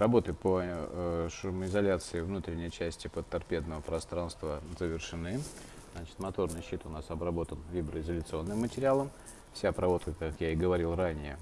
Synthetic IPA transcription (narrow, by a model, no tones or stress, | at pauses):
ɾɐbo̞t̪ɨpə | ʂʊmɪzɐlʲat̪sɨɪvnut̪ɾʲɪnʲːɪjt͡ɕæsʲtʲɪpət̪ːɐrpʲe̞d̪nəvəpɾɐst̪ɾanst̪vəzəvʲɪrʂɨnɨ | znat͡ɕɪ̥t̪mɐt̪o̞rnɨjɕːit̪ʊnasɐbɾɐbo̞t̪ənvʲibɾəɪzəlʲʊt̪sɨo̞nːɨmːətʲɪɾʲɪalˠəm | fsʲapɾɐvo̞t̪kəkakjaɪɡəvɐɾʲilˠranʲɪjə